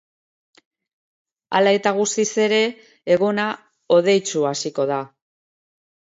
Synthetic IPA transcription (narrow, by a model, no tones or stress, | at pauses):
a̰lae̞t̪aɣ̞ust̪ise̞ɾe̞ː | ɣona | o̞ð̞e̞jt͡suasiko̞ð̞a